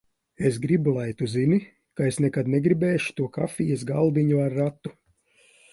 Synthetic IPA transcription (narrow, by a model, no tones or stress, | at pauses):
esɡɾibulˠajt̪uzini | kaesnɛkad̪nɛɡɾibɛːʃu̥t̪uɔka̰fijɛsɡalˠd̪iɲuaɾːat̪ːu